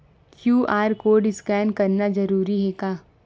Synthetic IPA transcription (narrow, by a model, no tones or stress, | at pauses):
kjuːʔaːɾkoːɖɪskɛːnkɐɾnad͡ʒɐɾuːɾiɦɛkaː